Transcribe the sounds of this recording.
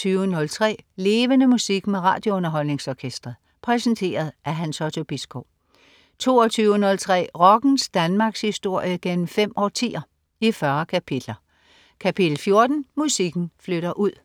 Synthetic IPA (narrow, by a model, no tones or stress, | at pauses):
yːʊənɔ̽lt͡sʰʁɛ̰ːle̝ːʋənəmusiɡ̥meʁɑ̰̈ːd̥jo̝ɔnɐɦɒ̽l̰ne̝ŋsɒːkʰesd̥ʁɐð̩ˠ | pʰʁɛsn̩t͡sʰe̝̰ːɐð̞̩ˠʔæɦænsɒt͡sʰo̝b̥isɡ̥o | t͡sʰo̝̰ːɒt͡sʰyːʊənɔ̽lt͡sʰʁɛ̰ːʁɒ̽ɡ̥n̩sd̥ænmɑ̈ːɡ̥shisd̥o̝ɐ̰jəɡ̥en̰m̩fem̰ɒ̰ːt͡sʰḭːɐ | ifɶɐkʰæpʰid̥lɐ | kʰæpʰid̥l̩fjo̝ɐd̥n̩musiɡ̥n̩fløɾɐʔuð̰ˠ